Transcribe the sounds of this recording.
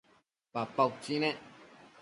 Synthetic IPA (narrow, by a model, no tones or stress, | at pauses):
papawt͡ʃinẽ